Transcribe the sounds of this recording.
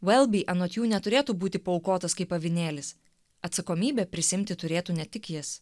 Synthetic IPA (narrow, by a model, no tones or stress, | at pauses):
wɛlʲˠbʲiːʔɐnoːt̪ʲjuːnʲɛt̪ʊɾʲeːt̪uːbuːt̪ʲɪpɐɔʊkoːt̪ɐskɐɪpɐʋʲɪnʲeːlʲɪs | ɐt̪sɐkoːmʲiːbʲɛːpʲɾʲɪsʲɪɪmʲt̪ʲɪt̪ʊɾʲeːt̪uːnʲɛt̪ʲɪkjɪs